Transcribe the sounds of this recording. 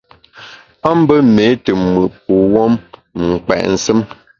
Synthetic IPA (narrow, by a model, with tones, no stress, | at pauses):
a˦m̩˦bə˦me˨˦tə˨mɨ˨p̚u˨wɔ˦mŋ̩˨k͡pɛ̰˨ʔn̩˨sɨ˦m